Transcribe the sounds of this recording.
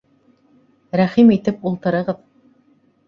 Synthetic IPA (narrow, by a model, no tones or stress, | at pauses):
ɾæχimit̪ɘpulˠt̪ɤ̆ɾɤ̆ʁɤð